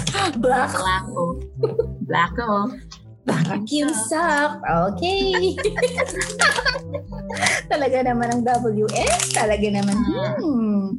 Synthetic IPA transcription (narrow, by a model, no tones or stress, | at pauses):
blakako | bla̰ko | bakjʊmsafʔokɛj | t̪ɐlɐɡanɐmanɐŋd̪ɐbɐljuʔɛst̪ɐlɐɡanɐman̩